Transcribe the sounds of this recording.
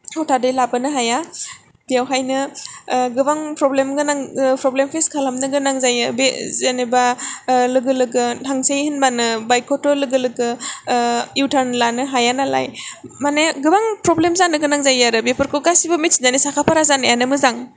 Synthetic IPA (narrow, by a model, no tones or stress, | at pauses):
atʰadɯjlabɯnɯɦaja | b̥ijawɦajnɯ | ɡɯbaŋpɾɔblemɡɯnapɾɔblempʰeskʰalamnɯɡɯnaŋzajɯbezenebalɯɡɯlɯɡɯtʰaŋsejhɯnbanɯbajkʰɔtɔlɯɡɯlɯɡɯ | uwtʰaɾnlanɯɦajanala̰jmaneɡɯbaŋpɾɔblemzanɯɡɯnaŋzajaɾɯbepʰɯɾkʰɯkasibɯmitsi̥zanisakʰapʰaɾazanɯjanɯmɯzaŋ